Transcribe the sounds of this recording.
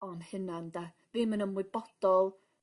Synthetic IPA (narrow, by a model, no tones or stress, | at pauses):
ɔnhɪnanda | vimənəmwɪbɔd̥ɔlˠ